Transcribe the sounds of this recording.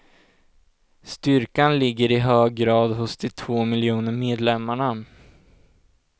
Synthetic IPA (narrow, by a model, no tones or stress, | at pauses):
st̪ʏɾkanlɪɡːəɾɪɦøːɡːɾɑːd̪ɦʊsd̪ɪt̪ʰvoːmɪljuːnəɾmeːd̪lɛmːaɳa